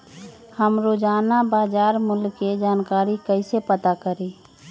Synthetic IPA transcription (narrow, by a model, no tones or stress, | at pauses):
həmɾod͡ʒaːnabaːd͡ʒaːɾmʊlkːed͡ʒaːnkaːɾikəɪsepət̪akəɾi